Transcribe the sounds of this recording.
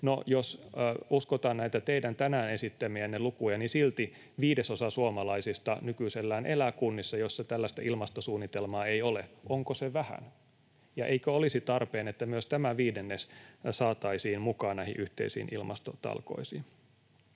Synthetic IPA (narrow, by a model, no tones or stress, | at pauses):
nojosuskot̪ɑːnnæit̪æt̪eidænt̪ænæːnesit̪ːæmiænːelukujɑnisilt̪i | ʋiːdesosɑsuomɑlɑisist̪ɑnykyiselːæːnʔelækunːisːɑjosːɑt̪ælːæst̪æ̰ʔilmɑst̪osuːnːit̪elmɑːeioleʔoŋkoseʋæhæ̰n | jɑʔeikøolisit̪ɑrpeːnet̪ːæmyøst̪æmæʋiːdenːessɑːt̪ɑisiːnmukɑːnnæihḭʔyht̪ḛisḭːnʔilmɑ̰st̪ot̪ɑ̰lko̰isin